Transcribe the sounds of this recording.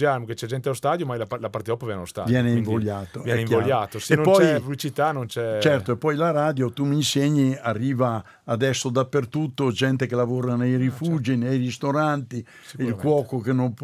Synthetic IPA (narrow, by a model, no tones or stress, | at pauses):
d͡ʒalmket͡ʃɛd͡ʒɛnt̪eaost̪aːd̪jomajlaalapaɾt̪ed̪ɔpavjɛneaost̪a̰vjɛːneiɱvoljaːt̪ovjɛɛeijoljaːt̪osenpːɔjfuit͡ʃit̪anont͡ʃɛt͡ʃɛrtt̪oepːɔjlaɾaːd̪jot̪umiːnseɲiarːiːvaː | d̪ɛsːod̪apːert̪ut̪ːod͡ʒɛnt̪ekelavoːɾanejrifud͡ʒinejrist̪oɾant̪i | ilkwɔːkokenːomp